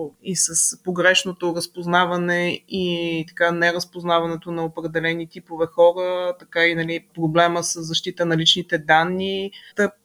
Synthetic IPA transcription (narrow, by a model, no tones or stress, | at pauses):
isəspoɡɾɛʃnot̪oɾəspoznavɐnɛit̪ɐ̥kanɛɾəspoznavɐnɛt̪onɐopɾɛd̪ɛlɛnit̪ipovɛxɔɾət̪ɐkainɐlipɾoblɛməsəszːɐʃt̪it̪ənɐlit͡ʃnit̪ɛd̪anːit̪əp